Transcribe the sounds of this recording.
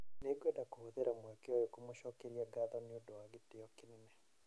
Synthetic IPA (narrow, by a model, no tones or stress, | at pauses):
neɡwɛndakohoðeɾamwɛkeɔjekomoʃɔkeɾiaɡaðɔniodowaɣitejɔkinɛnɛ